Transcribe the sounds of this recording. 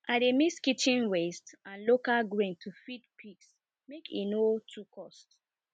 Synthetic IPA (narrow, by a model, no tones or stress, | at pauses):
ʔademiskitĩnwestãnlokalɡɹẽntʰufidpʰiks | mekḭnotʰukʰɔst